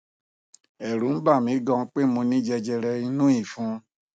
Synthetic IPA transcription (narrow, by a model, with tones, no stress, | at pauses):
ɛ˨ɾũ˨˦ba˦˨mĩ˨˦ɡɔ̃˧˦k͡pe˦mũ˧nĩ˦d͡ʒɛ˧d͡ʒɛ˧ɾɛ˧i˧nũ˦i˦˨fũ˨˦